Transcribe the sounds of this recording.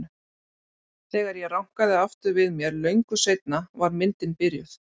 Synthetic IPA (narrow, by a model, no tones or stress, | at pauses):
θɛːɣaɾjɛrawŋ̥kaðɪaft̪ʏɾvɪðmjɛɾlœɥŋkʏsejt̪̚navaɾmɪnt̪ɪnpɪɾjʏ̰θ